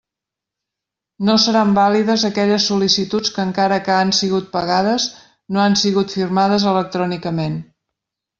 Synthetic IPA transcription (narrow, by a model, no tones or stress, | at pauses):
nosəɾambaliðəzəkɛʎəsːulisit̪ut͡skəːŋkaɾəkəːnsiɣut̪̚pəɣaðəz | noansiɣut̪firmað̞əzələk̚t̪ɾɔnikəmen